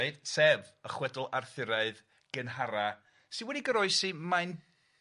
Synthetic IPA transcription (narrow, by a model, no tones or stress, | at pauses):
ɨd̥sɛvəχwɛdʊlˠarθɪɾaɨð | ɡ̥ənɦaɾa | sɪnwɛdiɡəɾɔɨsimajn